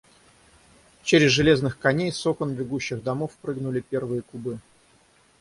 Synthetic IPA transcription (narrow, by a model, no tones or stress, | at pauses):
t͡ɕeɾʲɪzʐɨlʲeznɨxkɐnʲejso̞kənbʲɪɡuɕːɪɣd̪ɐmofpɾɨɡnʊlʲɪpʲe̞rvɨjəkʊbɨ